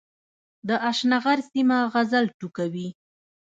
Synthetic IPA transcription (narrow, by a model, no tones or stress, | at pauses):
d̪əʔaʃnaɣaɾsimaɣazalʈukawi